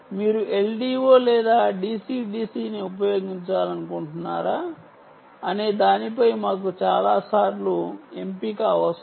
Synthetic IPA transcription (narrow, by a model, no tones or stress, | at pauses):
miːɾuʔe̞lɖiːʋoːlɛːd̪aːɖiːsiːɖiːsiːniup̬ɐjo̞ːɡiɲt͡ʃaːlɐnukuɳʈunːa̰ːɾaː | ɐneːd̪aːnipɐjmaːk̬ut͡ʃaːlaːsaːɾluempiːkaːʋɐs